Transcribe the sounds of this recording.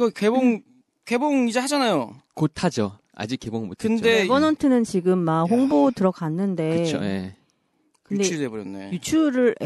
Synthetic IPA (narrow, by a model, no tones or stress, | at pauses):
ɡʌkeboŋ | ke̞boŋid͡ʑehad͡ʑanajokotʰad͡ʑo | a̰d͡ʑik͈ːe̞boŋmo̰tʰkʰɯndeebʌnʌntʰɯnɯnt͡ɕiɡɯmːaɸoŋbotɯɾʌkanːɯnde̞ɯo̰je | kɯndeɾebuɾjʌnːḛjut͡ɕʰuɾɯɭ